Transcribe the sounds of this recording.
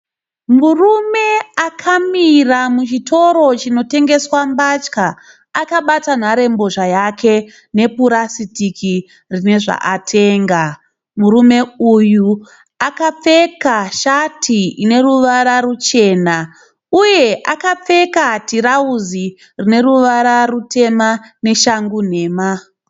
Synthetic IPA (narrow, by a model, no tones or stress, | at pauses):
murume̞akʰamiramut͡ʃitʰo̞ɾo̞t͡ʃino̞te̞ŋɡe̞swambat͡ʃka | akaɓatan̤aɾe̞mbo̞ʐajakʰe̞ | ne̞puɾasitikʰi | rine̞ʐa̰ʔatʰe̞ːŋɡa | muɾume̞uju | akap͡fe̞kaʃatʰiine̞ɾuʋaɾarut͡ʃe̞ːna | uje̞ʔakap͡fe̞katiɾauzi | rine̞ɾuʋaɾarutʰe̞mane̞ʃaŋɡun̤e̞ːma